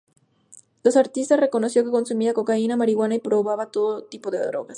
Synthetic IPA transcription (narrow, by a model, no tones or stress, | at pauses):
losaɾt̪ist̪asre̞ko̞no̞sjo̞ke̞ko̞nsumiako̞kainamaɾiɣwanaipɾo̞βaβat̪o̞ðot̪ipo̞ðeðɾo̞̰ɣas